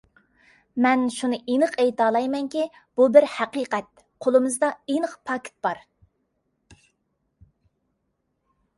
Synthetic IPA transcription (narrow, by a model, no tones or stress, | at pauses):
mɛnʃunɨʔenɨqɛjt̪ɑːlˠɑjmɛŋkʲi | b̥ubɪɾhæqiqɛt̪̚ | qʰolˠɨmɨzd̪ɑenəqpʰɑkʲʰɪ̥t̪̚b̥ɑɾ